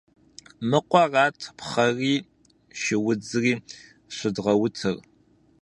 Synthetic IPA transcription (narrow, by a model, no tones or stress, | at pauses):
mɨqʷɔrɑːtʰpʰχɐriː | ʃɪwʊd͡zɨriː | ɕʷɪdʁɐwʊtʰɨr